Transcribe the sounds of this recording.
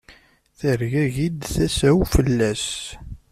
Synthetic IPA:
θəɾʝæʝid̪θæsæwfəlːæs

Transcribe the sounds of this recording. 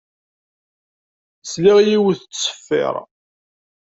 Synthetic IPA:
sliʁjiwθət͡sːsə̥fːɪ̰ɾˤ

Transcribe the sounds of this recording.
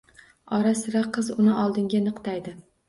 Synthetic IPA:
ɒɾasɪɾaqʰːɨzʊnɪʔɒlˠd̪ɪŋɡʲanɨqt̪ʰajd̪ɪ

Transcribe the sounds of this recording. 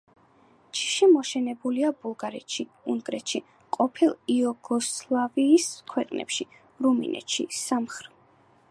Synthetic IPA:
t͡ʃʰi̥ʃimɔʃɛnɛbuliabulˠɡaɾɛt̪ʃi | unɡʼɾɛt̪ʃi | qʼɔpʰilˠiɔɡɔslˠaviːskʰwɛqʼnɛ̰pʃi | ɾumḭnɛ̰t̪ʃḭsamχɾ

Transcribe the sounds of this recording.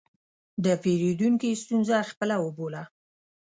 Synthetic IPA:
d̪əpeɾed̪uŋkist̪unzaxpəlawəbola

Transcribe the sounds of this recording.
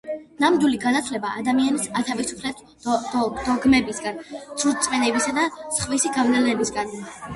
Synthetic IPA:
namd̪wiliɡanat̪ʰlɛbaʔad̪amianisat̪ʰavisu̥pʰlɛt̪ | d̪̥ɔɡmɛbisɡant̪sʰuɾt̪sʼvɛnɛbisad̪asχvisiɡavnɛlnɛbisɡan

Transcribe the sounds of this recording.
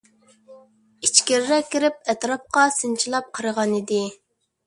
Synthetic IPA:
it͡ʃkʲɪɾɾɛkʲːiɾɪp̚ɛt̪ɾɑp̚qɑsɨnt͡ʃʰilˠɑp̚qʰəɾəʁɑnid̪ɪ

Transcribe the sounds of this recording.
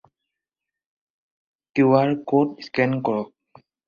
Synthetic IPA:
kuwaɹkotskɛ̃nkɔɹɔk̚

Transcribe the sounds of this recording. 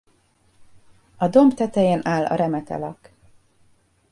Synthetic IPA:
ɒd̪o̞mbt̪ɛt̪ɛjeːnʔaːlːɒ̰ɾɛmɛt̪ɛ̰lɒk

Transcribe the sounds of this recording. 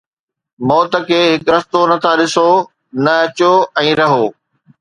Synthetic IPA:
mɔːt̪ə̆kʰeːɦɪkɾɐst̪onɐt̪ʰaɗɪso | nɐɐt͡ɕoɛ̃ːɾɐɦoː

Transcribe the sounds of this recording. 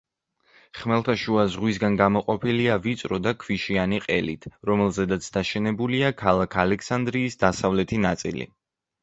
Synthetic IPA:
χmɛlˠt̪ʰaʃuazʁwisɡanɡamɔqʼɔpʰiliavit̪sʼɾɔd̪akʰviʃianiqʼɛlḭt̪ʰɾɔmɛlˠzɛd̪at̪sʰd̪aʃɛnɛbuliakʰalˠakʰalɛkʰsand̪ɾiːsd̪asavlɛt̪ʰinat̪sʼḭlḭ

